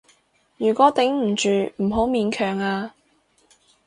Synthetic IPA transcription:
jyː˨˩kʷɔː˨˥t̪ɪ˨˥ŋm̩˨˩t͡ʃyː˨m̩˨˩ɦo˨˥wmiː˨˧nkʰœː˨˩ŋaː˧

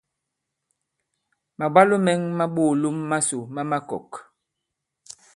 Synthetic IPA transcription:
ma˨ba˦lo˦mɛ˦ŋma˦ɓo˦˨lu˦mːa˦su˨ma˦ma˦kɔ̰˨k

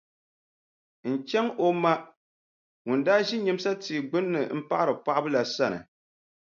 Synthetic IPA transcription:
n̩˨t͡ʃɛ˦ŋʔo˦ma˦ | ŋʊ˨n˨daː˦ʒi˦ɲɛ˦m˦sa˦tiː˨ɡ͡bɨ˦nːɨ˨m̩˦pa˦ʔa˦ɾɨ˨pa˦ʔbɨ˦la˨sa˦nɨ̰˨

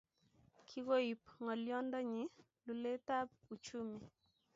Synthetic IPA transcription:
kʰi˦ɣo˦i˨pŋɔ˨ljɔ˦ndɔ˦ɲɪ˨ | lu˨le˦ta˦p̚u˨t͡ʃu˦mi˨

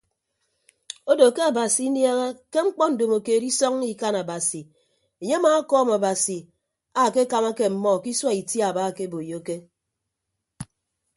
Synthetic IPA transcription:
o˦do˨ke˦a˨ba˨si˨˦nja˦ɣa˦ke˦ŋ͡m̩˦k͡pɔ˦n̩˨do˨mo˨ke˨ɾi˦sɔ˦ŋi˨ka˦na˨ba˨si˨ | e˨ɲe˦maː˨˦kɔː˦ma˨ba˨si˨ | a˨ke˦ka˨ma˦ke˨m̩˨mɔ˦˨ki˦swa˦i˨tja˦˨baː˦˨ke˦bo˨jo˦ke˦

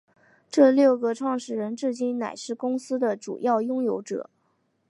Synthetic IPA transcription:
ʈ͡ʂɤ˥˧ljo˥˩ʊɡə˩ʈ͡ʂʰwɑ˥˩ŋʂɻ̩˥˩ɻə˧˥nʈ͡ʂɻ̩˥˧t͡ɕi˥˩nna̰˨˩ɪʂɻ̩˥˩kʊ˥ŋsɹ̩˥d̪ə˨ʈ͡ʂṵ˨˩jɑ˥˩ʊjʊ˥ŋjo˧˥ʊʈ͡ʂɤ̰˨˩˦

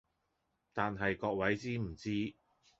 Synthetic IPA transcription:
t̪aː˨nɦɐ˨jkɔː˧k̚wɐ˨˥jt͡siː˥m̩˨˩t͡siː˥

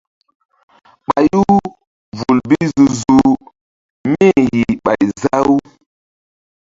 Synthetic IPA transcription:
ɓa˨ju˦ | vu˨lbi˦zu˨zu˨ | me˦ji˨ɓa˨jza˦wu˦

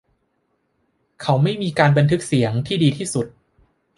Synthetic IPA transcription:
kʰa˦˥wma˥˩jmiː˧kaː˧nba˧nt̪ʰɯ˦˥k̚si˩˦əŋt̪ʰiː˥˩diː˧t̪ʰiː˥˩su˨˩t̪̚

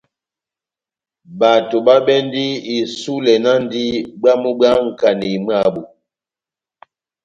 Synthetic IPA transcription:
ba˨to˨ɓa˦ɓɛ˦n˦di˦i˨su˦lɛ˨na˦n˦di˦ɓa˦mu˦ɓa˦ŋ̩˨ka˨ni˨m˦a˦˨bu˨

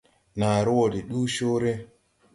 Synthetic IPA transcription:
na˨ɾu˦wo˨di˨ɗuː˦ʃo˦ɾe˦

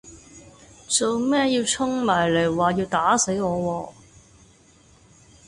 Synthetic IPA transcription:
t͡so˨wmɛː˥ji˧wt͡sʰʊ˥ŋmaː˨˩jle˨˩jwaː˨˩jiː˧wt̪aː˨˥se˨˥jŋɔː˨˧wɔː˧

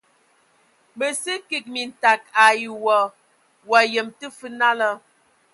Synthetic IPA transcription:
bə˨si˦ki˨k̚mi˨n̩˨ta˨k̚a˨ji˨wɔ˨ | wa˨jə˨mtə˦fɨ˦na˦lə˦

